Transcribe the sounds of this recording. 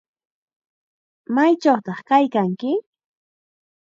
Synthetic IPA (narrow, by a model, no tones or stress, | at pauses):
majt͡ʃawt̪ɑχkajkaŋkɪ